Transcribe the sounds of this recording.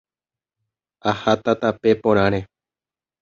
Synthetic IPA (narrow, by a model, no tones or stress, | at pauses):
ahat̪at̪ape̞põɾ̃ãɾ̃e